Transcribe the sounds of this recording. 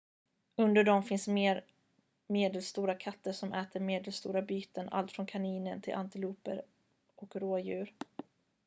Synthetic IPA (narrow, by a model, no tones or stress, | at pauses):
ɵnd̪əɖɔmfɪnsmeːɾ | meːd̪əlst̪uːɾakʰat̪ːəʂɔmʔɛːt̪əɾmeːd̪əlst̪ṵːɾabyːt̪əna̰lt̪fɾɔnkʰaniːnənt̪ʰɪ̰lʔa̰nt̪ɪluːpə̰ɾ | ʔɔkɾoːjʉ̟ːɾ